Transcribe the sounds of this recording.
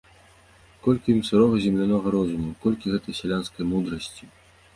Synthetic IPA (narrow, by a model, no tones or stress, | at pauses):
kɔlʲkʲiimsɨɾɔɣɐzʲɛmlʲanɔɣɐɾɔzumukɔlʲkʲiɣɛt̪ɐjsʲɛlʲanskɐjmud̪ɾɐsʲt͡sʲi